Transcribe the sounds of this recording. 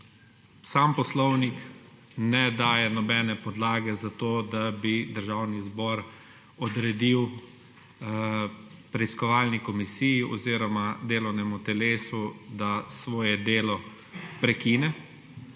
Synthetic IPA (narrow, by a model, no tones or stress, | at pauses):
saːmpɔslɔwnik | nɛd̪aːjɛnɔbɛnɛpɔd̪laːɡɛzat̪oːd̪abid̪əɾʒaːwnizbɔːɾ | ɔd̪ɾɛd̪iw | pɾɛiskɔʋaːlnikɔmisiːjiʔɔ̰ziːɾɔmad̪eːlɔwnɛmut̪ɛleːsud̪asʋɔːjɛd̪eːlɔ | pɾɛkiːnɛ